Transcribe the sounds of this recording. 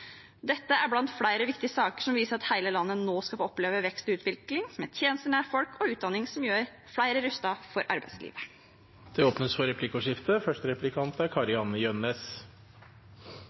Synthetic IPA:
d̪ɛt̪ːəæɾblɑnt̪fɽæɪɾəʋɪkt̪ɪəsɑːkə̥ʂɔmʋiːsəɾɑt̪hæɪləlɑnːənoːskɑfɔpleːʋəʋɛkst̪ʉːt̪ʰʋɪlklɪŋmeːt̪ʰjeːnəst̪əɳæːɾfɔlkʰɔʉːt̪̚d̪ɑnːɪŋsɔmjøːɾ | fɽæɪɾəɾʉst̪ɑfɔɾʔɑ̰ɾbæ̰ɪd̪slḭːʋə | d̪̥ɛoːpnəsfɔɾɛpʰlɪkːʊʂɪft̪əfœʂʈəɾɛplɪkʰɑnt̪æɾkʰɑɾɪɑnəjœnːeːs

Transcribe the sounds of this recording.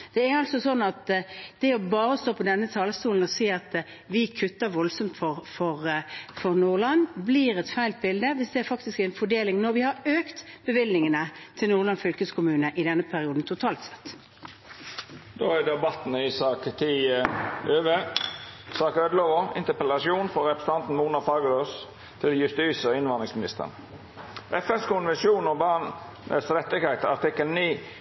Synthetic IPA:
d̪̥ɛæɾɑlsɔsɔnːɑt̪d̪̥ɛɔbɑːɾəst̪oːpʰɔd̪ɛnːət̪ʰɑːləst̪uːln̩ɔsiːɑt̪ | ʋɪkʰʉt̪ːəʋɔlsɔmt̪fɔʁfɔʁfɔʁnuːʁlɑnbliːɾɛt̪fæɪlt̪̚bɪld̪əʋɪsd̪ɛæɾfɑkt̪ɪskæɪnfɔɖeːlɪŋnɔɾʋɪhɑɾøːkt̪b̥əʋɪlnɪŋənət̪ʰɪlnuːʁlɑnfʏlkəskʰʊmʉːnəʔɪd̪ɛnːəpʰæɾɪuːd̪n̩t̪ʰʊt̪ʰɑːlt̪sɛ̥t̪ː | d̪oːæd̪ɛbɑt̪nɪsɑːkt̪ʰiːəøːʋə | sɑːkøːd̪əloːʋʊɪ̰nt̪əpəlɑsjuːnfɔɾɾɛpɾɛsəɑnt̪n̩muːnɑfɑːɡəɾoːs | t̪ʰɪljʉst̪yːsəɔɪnʋɑnd̪ɪŋsmɪnɪst̪ə̰ʁ̰n | ʔɛfɛnskʊnʋɛnsjuːnɔbɑʁn | ʔɛ̰sɾɛt̪ːɪɡhæɪt̪əɑʁt̪ɪkːəlniː

